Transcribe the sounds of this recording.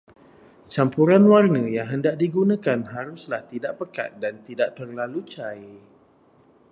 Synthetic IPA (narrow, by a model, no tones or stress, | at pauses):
t͡ʃampuɾanwarnə̃jaŋɦəndaʔ̚diɡunãkanɦaɾʊslaht̪idaʔpəka̰t̪̚dant̪idaʔt̪ərlalut͡ʃaj